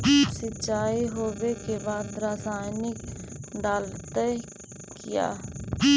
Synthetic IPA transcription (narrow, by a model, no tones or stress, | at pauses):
sɪt͡ʃaːiɦoːʋeːkeːbaːd̪ɾaːsaːjnɪkɖalt̪ɛː | kɪja̰ː